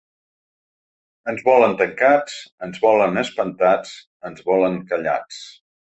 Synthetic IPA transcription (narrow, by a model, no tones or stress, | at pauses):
ənzβɔlənt̪əŋkat͡sənzβɔlənəspənt̪at͡s | ənzβɔləŋkəʎa̰t͡s